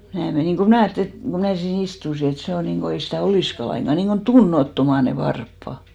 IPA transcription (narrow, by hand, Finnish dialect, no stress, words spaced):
jɑ mæː meniˑŋ ko mnæˑ ɑjɑtːĕli et ko mæː siːn istusi et se o niŋko ei sitæˑ oliˑskɑ lɑiŋɡ̊ɑ niŋko tunːotːomɑ ne ʋɑrpːɑ